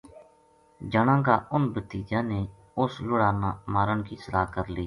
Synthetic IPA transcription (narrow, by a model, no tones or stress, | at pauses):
d͡ʒəɳãːɡaːʊnbət̪iːd͡ʒãːneː | ʊslʊɽaːnaːmaːɾəɳkiːsəlaːkəɾliː